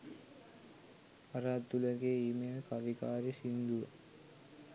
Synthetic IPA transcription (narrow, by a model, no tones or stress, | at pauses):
aɾaːd̪ːuləɡeːiːmeːlkaʋikaːɾisind̪uʋə̰